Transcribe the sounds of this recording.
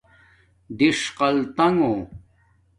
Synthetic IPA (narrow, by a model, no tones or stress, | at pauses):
d̪iʂqɐlt̪ɐŋo